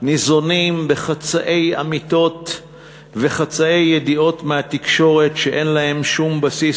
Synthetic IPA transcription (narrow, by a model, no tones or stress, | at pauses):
nizo̞nimbe̞χat͡saʔe̞ja̰mit̪o̞t | ve̞χat͡sae̞jːedio̞tmehat̪ikʃo̞ʁe̞tʃe̞ʔe̞nlae̞mʃumbasi